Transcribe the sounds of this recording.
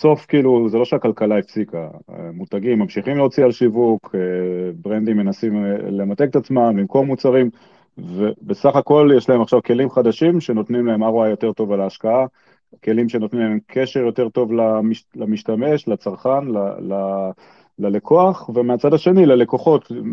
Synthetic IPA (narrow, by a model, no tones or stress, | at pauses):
so̞fkiːluzelo̞ʃeakalkalaefsika̰mut̪aɡimːamʃiχimleot͡sialʃivuk | bʁend̪imːe̞nasimle̞mat̪e̞ket̪at͡smamlimko̞ʁmut͡saʁim | vebesaχako̞ljeʃlahemaχʃavke̞limχad̪aʃimʃe̞no̞t̪nimlae̞maʁoajo̞te̞ʁt̪o̞valaːʃkaa | ke̞limʃe̞not̪nimlaemkʰe̞ʃeʁjo̞te̞ʁto̞vlamilamiʃtame̞ʃlat͡saʁχanlala | lale̞kʰo̞aχvemeat͡sadaʃe̞nilale̞ko̞χo̞t